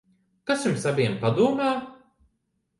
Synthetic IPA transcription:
kasjumsavʲiɛmpad̪uɔmaː

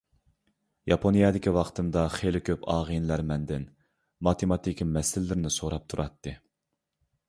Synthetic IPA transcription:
jɑpʰonjɑd̪ɪkʲiwɑqt̪ʰɨnd̪ɑχelɪkʲʰøpɑːʁɨnlæɾmɛnd̪ɪn | mɑt̪ʰemɑt̪ʰikʲʰmɛsɪlːɪɾɪnɪsoɾɑp̚t̪ʰuɾʔɑt̪ːɨ

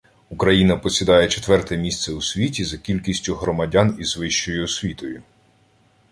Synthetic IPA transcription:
ukɾɐjinɐpɔsʲid̪ɑjɛt͡ʃet̪ʋɛrt̪ɛmʲist̪sɛusʲʋʲitʲizɐkʲilʲkʲisʲtʲʊɦɾɔmɐdʲɑnizʋɪʃt͡ʃɔjʊɔsʲʋʲit̪ɔjʊ

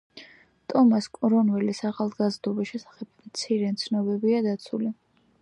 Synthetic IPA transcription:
t̪ʼɔmaskʼɾɔnvɛlisaχalˠɡazd̪ɔbisʃɛsḁχɛb̥̚mt̪sʰiɾɛt̪sʰnɔbɛbiad̪at̪sʰuli

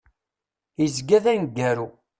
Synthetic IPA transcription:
jəzɡæðænɡːæɾu

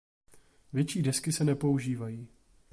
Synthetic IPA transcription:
vjɛt͡ʃiːdɛskɪsɛnɛpo̞uʒiːvajiː

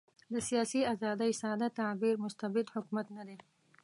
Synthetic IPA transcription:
d̪əsijɑsiazɑd̪əjsɑd̪at̪abiɾmʊst̪abɪd̪hʊkmat̪nad̪e

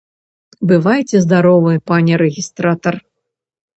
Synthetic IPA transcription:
bɨvajt͡sʲɛzd̪aɾɔvɨɛpanʲɛɾɛɣʲist̪ɾat̪ɐr

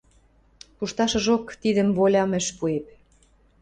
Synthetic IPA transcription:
puʃt̪ɑʃɤ̆ʒokt̪id̪ə̆mβolʲɑmɘ̆ʃpuep̚

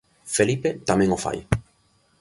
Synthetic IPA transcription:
felipet̪amẽŋofa̰j

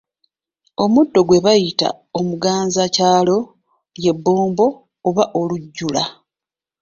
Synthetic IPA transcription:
o̞mudːo̞ɡwe̞βajita̰ | omuɡaːnzacaːlo̞ | je̞bːo̞ːmbo̞ː | βaʔo̞luɟːula

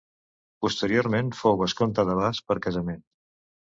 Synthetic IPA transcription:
pust̪əɾioɾmenfowβəskont̪əðəβ̞aspəɾkəzəmen

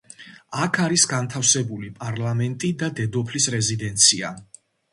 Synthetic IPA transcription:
akʰaɾisɡant̪ʰafsɛbulipʼaɾlˠamɛnt̪ʼid̪ad̪ɛd̪ɔpʰlisɾɛzid̪ɛnt̪sʰia̰

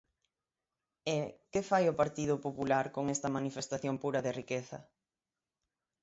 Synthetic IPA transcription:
ekefajʊpaɾt̪iðʊpopulaɾkoŋest̪ɐmanifest̪aθjoŋpuɾɐðɪrikeθɐ̰

